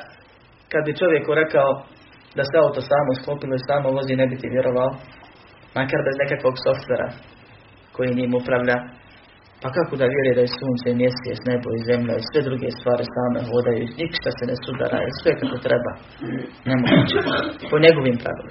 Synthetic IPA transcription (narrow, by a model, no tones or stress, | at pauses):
kad̪bit͡ʃo̞ʋje̞kuɾe̞kao | d̪aseaut̪osaːmosklˠopiloisaːmoloziːne̞bit̪iʋjeɾʔoʋao | makaɾbe̞zne̞kakʋo̞ɡso̞ft̪ʋeːɾa̰ | ko̞jiɲiːmupɾaʋʎa | pakakod̪aʋjeɾujed̪ajesuːnt̪seimjesijḛsneboize̞mʎaisʋe̞d̪ɾuɡest̪ʋaːɾisaːme̞ɦoːd̪ajunikʃt̪asenesud̪a̰ɾa̰ːḭsʋekakot̪ɾeba̰ː | ne̞moɡuːt͡ʃepoɲeɡo̞ʋimpɾa̰ʋḭlḭ